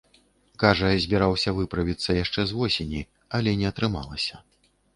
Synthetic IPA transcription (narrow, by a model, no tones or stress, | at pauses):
kaʐɐzʲbʲɛɾawsʲɐvɨpɾɐvʲit̪sːɐjaʂt͡ʂɛzvɔsʲenʲi | ɐlʲɛnʲɛɐt̪ɾɨma̰lˠɐsʲɐ̥